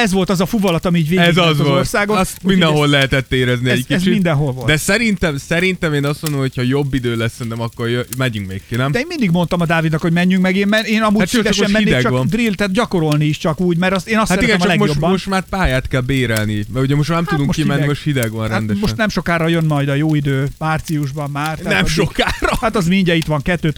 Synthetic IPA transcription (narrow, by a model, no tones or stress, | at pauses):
ɛzʋo̞lt̪ɒzɒfuvɒlɒt̪ɒmiːɟveːɛzzolorsaːɡosmind̪ɛnɦo̞lːɛɦɛt̪ɛt̪ːeːɾɛzniɛɟkiɛzt͡ʃiind̪ɛnɦo̞lvold̪ɛsɛɾint̪ɛmsɛɾint̪ɛmeːnɒst̪mond̪omhocʰhɒjobːid̪øːlɛsːɛnt̪ɛmɒkːorjømɛɲyŋkmeːkːenɛmɛeːmind̪iɡmo̞nt̪ɒmɒd̪aːvid̪nɒkho̞ɟmɛɲːyŋkmɛɡeːnmɛneːnɒmuːɛɾsd̪ɛʃoɛmɛnied̪ɛɡt͡ʃʋnd̪rilt̪at̪̚ɟɒko̞ɾo̞lniiʃt͡ʃɒkuːɟmɛɾɒst̪eːnɒsaɾɛiɡɛɛmt͡ʃlɛɡmojobːɒmoʃt̪maːɾpaːjaːt̪kɛlbeːɾɛlnimɛuɟɛmoʃt̪manɛmt̪ud̪uŋkmokimɛnːimoʃt̪hid̪ɛɡʋɒnɾɛand̪ɛʃmoʃnnɛmʃo̞kaːɾɒjønmɒjd̪ɒjoːid̪øːmaːrt̪siuʒbɒmmaːrt̪anɛmʃokaːrɒhat̪ɒzmiiɲɟɛit̪ʋɒŋkɛt̪ːøːt̪